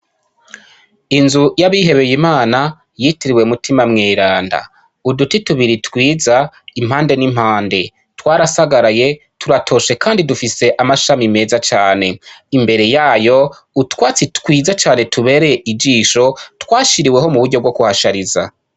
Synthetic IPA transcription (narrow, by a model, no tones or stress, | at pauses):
inzujaβiɦe̞βe̞jimaːna | jitiɾiwe̞mutimamŋeːɾaːnda̰ | udutituβiɾitwiːzaim̥haːnde̞nim̥haːnde̞ | twaːɾasaɡaɾaje̞ | tuɾatʰo̞ːʃe̞kaːndidufise̞ʔamaʃamime̞ːzat͡ʃaːne̞imbe̞ɾe̞jaːjo̞ | utwaːt͡sitwiːzat͡ʃaːne̞tʰuβe̞ːɾeje̞ʔid͡ʒiːʃo̞twaːʃiɾiwe̞ɦo̞muβuɾɟo̞bɡo̞kuhaʃaɾiza̰